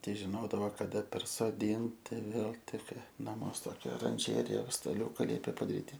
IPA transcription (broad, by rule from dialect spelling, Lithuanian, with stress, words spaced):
ˈtʲɛɪ ʒʲɪˈnoːdɐʋoː kɐˈdɐ pʲɛrsoːˈdʲɪnʲtʲɪ ˈʋʲeːlˠ ˈtʲɪkr nɐˈmuɔs ˈtoːkʲɛ oːrɐnʲˈʒʲæːrʲɪjɛ stɐˈlʲuːkɐ ˈlʲiɛpʲeː pɐdɐˈrʲiːtʲɪ